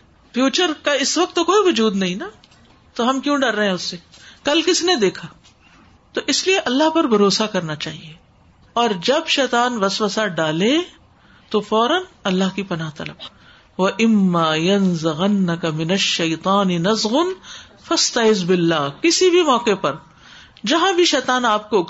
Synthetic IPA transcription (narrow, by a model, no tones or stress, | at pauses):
fjuːt͡ʃəɾkaɪsʋɐk̚t̪ːokoːiʋʊd͡ʒuːd̪nɐɦĩna | t̪oɦɐmkjũːɖɐɾːɐɦɛ̃ʊsːekɐlkɪsned̪eːkʰaː | t̪oʔɪslieʔɐlːaɦpɐɾbʱɐɾoːsakɐɾnat͡ʃaːɦieː | ɔːɾd͡ʒɐbʃɛːt̪aːnʋɐsʋəsaɖaːle | t̪ofɔːɾənɐlːaɦkipɐnaːɦt̪ɐləb̚ | ʋɐʔɪmːaːjɐnzɪɣɐnːɐkɐmɪnɐʃːɐjt̪ˤɑːnɪnɐzɣʊn | fɐst̪ɐʕɪzbɪlːaːkɪsibʱimɔːkepɐɾ | d͡ʒɐɦãbʱiʃɛːt̪aːnaːp̚kok